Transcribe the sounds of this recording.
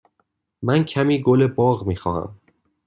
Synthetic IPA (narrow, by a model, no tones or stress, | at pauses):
mæncʰæmiːɡolebɒːɣmiːxɒ̰ːhæ̰m